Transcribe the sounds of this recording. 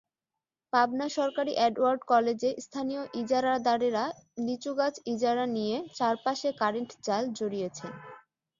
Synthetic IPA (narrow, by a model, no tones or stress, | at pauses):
pabnaʃɔɾkaɾiʔɛɖwaɾɖkɔled͡ʑest̪ʰanijoʔid͡ʑaɾad̪aɾeɾalit͡ɕuɡat͡ɕid͡ʑaɾanijet͡ɕaɾpaʃekaɾeɳʈd͡ʑald͡ʑoɾijet͡ɕʰen